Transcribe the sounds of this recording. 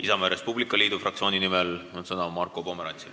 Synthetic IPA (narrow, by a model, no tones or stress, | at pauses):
isɑmeɾe̞spublikːˑɑliːd̪̥ufrʔɑk̚tsio̞ːnʲinimelonsɤnɑmɑrkːˑopo̞meɾɑ̰nʲt̪sil